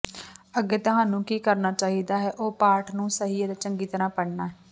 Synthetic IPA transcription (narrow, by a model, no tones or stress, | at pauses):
əɡeːt̪ʊɦãːnũːkiːkəɾnaːt͡ʃaːɦiːd̪aːɦɛːʔoːpaːɾʈʰnũːsəɦiːeːd̪aːt͡ʃəŋɡiːt̪əɾãːpəɽnaːɦɛː